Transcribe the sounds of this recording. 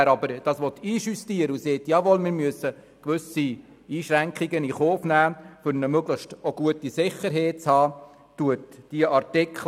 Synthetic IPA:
ɾɑbəɾd̥ɑːsʋɔt̪ʰiːʃystiəɾəuseːtjɑːʋɔlmɪːɾmyəsːə | kʋʏsi | iːʃɾæŋkχiɡəniχoːfnæːfʏɾnəmøɡləχʃtoɡ̥uətisɪχəɾɦɛɪt͡shɑː | tuətd̥iəʔɑɾtɪkʰl

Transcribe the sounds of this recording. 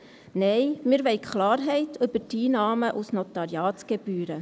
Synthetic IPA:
nɛɪmɪːɾʋɛɪkʰχlɑːɾɦɛɪtʰʏb̥ətiːnɑːməʔusnɔt̪ɑɾjɑːtsɡ̥eb̥yːɾə

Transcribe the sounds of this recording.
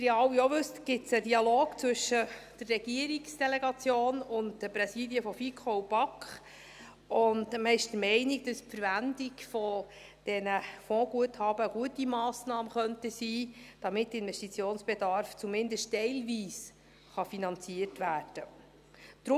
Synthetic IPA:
ɾɛɑwioʋʉstɡ̥ɪtt͡sədiɑloːkt͡sʋʏʃəd̥ərːɛɡ̥iəɾiksd̥ɛlɛɡɑt͡sjoːnʊntd̥əpɾɛsiːdiəfɔfikʰχowb̥ɑkχ | ʊndməɪʃd̥əɾmɛɪniɡ̚d̥ɑspfəɾvændikfɔ | d̥ɛnəfɔ̃ːɡ̥uəthɑːb̥əɡ̥uətimɑːsnɑːməχœntəsiːd̥ɑmɪt̚dəɪnvɛstit͡sjoːnsb̥edɑɾft͡sumɪndəstɛɪlʋiːs | χɑfinɑnt͡siərtʋæːrd̥ə | d̥̪ɾʊ

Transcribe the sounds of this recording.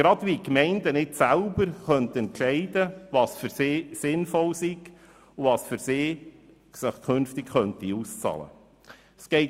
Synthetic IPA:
ɡ̥ɾɑdʋikmɛɪndənɪtsælbəɾχœnt̪ɛntʃɛɪdəʋɑːsfʏɾsɪːsɪnfɔlsiɡ̥ | ʊvɑːsfʏɾsɪː | səχkʰønftɪkχœntiust͡sɑ̰ːlə̰ | sɡ̥ɛɪ

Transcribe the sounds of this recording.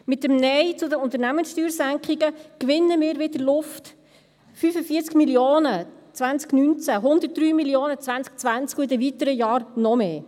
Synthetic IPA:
mɪtːəmnɛjt͡sʊdəʊnt̪əɾnæmənsʃtyːɾsæŋkχiɡəkʋɪnːəmɪːɾʋɪd̥əlʊft | fyfəfiːət͡skmiljoːnət͡sʋænt͡sknynt͡sæɦʊnd̪ət̚d̥ɾyːmiljoːnət͡sʋænt͡sk̚t͡sʋænt͡skɪdəʋitəɾəjɑːɾnɔmeː

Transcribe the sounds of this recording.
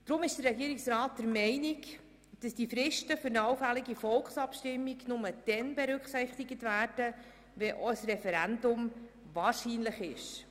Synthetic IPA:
d̥ɾʊmɪʃd̥ərɛɡiːɾɪksɾɑːt̚dɛɾmɛɪnɪk | d̥ɑsd̥ifɾɪʃtəfʏɾnɑwfælɪɡifɔlksɑpʃtɪmːiɡnʊməd̥ɛnbɛɾʉkχsɪχtɪɡətvæːɾd̥ə | ʋɛʔɔsrɛfɛɾændʊm | vɑːɾʃiːnləχɪʃ

